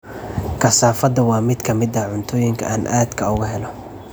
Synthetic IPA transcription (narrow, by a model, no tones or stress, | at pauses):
kʰɐsaːfɐd̪ɐwɑːmɪd̪kʰɐmɪd̪ɐʕʊnt̪ʰɔːjɪŋkʰɐ̰ʔaːnʔa̰ːd̪kʰɐʊɣʊɦɛlɔ